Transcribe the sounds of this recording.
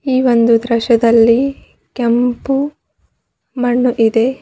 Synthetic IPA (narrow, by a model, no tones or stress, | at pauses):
iːʋo̞nd̪ud̪ɾɐʃɐd̪ɐlːi | kempu | mɐɳːuʔid̪e̞